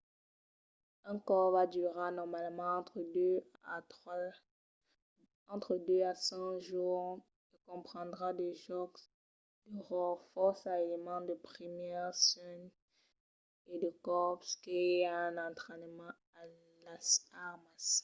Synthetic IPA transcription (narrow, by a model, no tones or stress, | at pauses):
ɛ̃kɔʁvad̪yʁanɔʁmalmɑ̃t̪χə | ɑ̃t̪χəd̪øasɛ̃ʒuːʁ | ikɔ̃pχɑ̃d̪ʁad̪eʒɔk | d̪̥əʁɔʁfɔʁsaelemɑ̃d̪əpχimɛʁsɛn | ed̪əkɔʁpskeaɛ̃nɑ̃t̪χɛnmɑ̃ | a | lasaʁmas